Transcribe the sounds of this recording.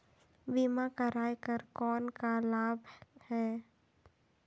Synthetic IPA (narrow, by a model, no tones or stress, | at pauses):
bimakəɾaːjkəɾkɔːnkalaːbhɛː